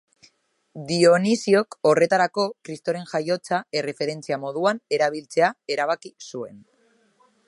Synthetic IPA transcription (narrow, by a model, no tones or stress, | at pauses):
d̪io̞nisio̞ko̞re̞t̪aɾako̞kɾist̪o̞ɾe̞nʝajo̞t͡sae̞re̞fe̞ɾe̞nt͡siamo̞ðuane̞ɾaβ̞ilt͡se̞ae̞ɾaβ̞akisue̞̰n